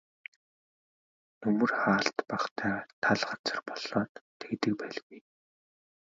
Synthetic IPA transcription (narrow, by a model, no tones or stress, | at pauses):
nɵmɵ̆rχaːɬt̪paχt̪ʰæːt̪ʰaɮɢat͡sə̆rpɔɮɔːt̪ʰːekt̪ɘ̆k̚pæːɮɣuj